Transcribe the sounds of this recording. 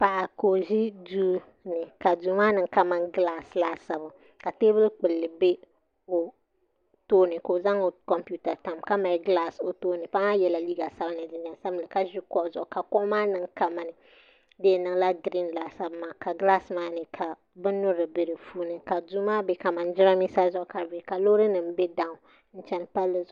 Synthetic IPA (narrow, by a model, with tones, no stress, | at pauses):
pa˨ʔa˨ko˨ʒi˦duː˦ | nɨ˨ka˨duː˨˦maː˦nɨ˨ŋ˦ka˦ma˦ŋɡla˦sla˦sa˨bʊ˨ | ka˨teː˦bɨ˦lk͡pɨ˨lːɨ˨be˦ | o˨ | toː˦nɨ˨ko˨za˦ŋo˨kɔ˦mpu˦ta˨ta˨mka˦ma˨˦ɡlaː˦so˨toː˦nɨ˨pa˦a˦jɛ˨la˨liː˦ɡa˨sa˦ba˦nɨ˨dɪ˦n˦a˨sa˦blɨ˨ka˦ʒi˦kɔ˦ʔzʊ˨ʔʊ˨ka˨kɔ˦ʔmaː˦nɨ˨˦ŋka˦ma˨nɨ˨ | deː˦˨nɨ˨ŋ˦la˦ɡɾi˦n˨la˨sa˦bmaː˨ka˨ɡla˦smaː˦nɨ˨kʰa˨ | bɨ˦nʊ˦ɾɨ˨be˨ɾɨ˨fuː˦nɨ˨ka˨du˦maː˦be˨ka˨ma˨n˦d͡ʒɪ˦ɾa˦mi˦sa˦zʊ˦ʔʊ˨ka˨be˨ka˨loː˦ɾɨ˦nɨ˨m˦be˦da˨ʊ˨ | n̩˦t͡ʃɛ˦n˦pa˦lːɨ˦zʊ˨